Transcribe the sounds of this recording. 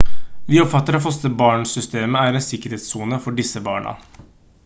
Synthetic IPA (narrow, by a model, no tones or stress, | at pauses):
ʋɪːɔpfɑt̪ːəɾɑfɔst̪əbɑːɳsʏst̪eːməæːɾɛnsɪkəɾeːt̪suːnəfɔɖɪsəbɑːɳɑ̰